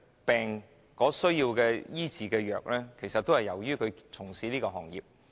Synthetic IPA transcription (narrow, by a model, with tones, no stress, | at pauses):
pɛː˨ŋ | kɔː˨˥sɵ˥ɥjiː˧wkɛː˧jiː˥t͡siː˨˧kɛː˧jœː˨k̚lɛː˥kʰe˨˩jsɐ˨t̚t̪o˥hɐ˨jːɐ˨˩wjyː˥kʰɵ˨˧t͡sʰʊ˨˩ŋsiː˨˥liː˥kɔː˧ɦɔː˨˩ŋjḭː˨p̚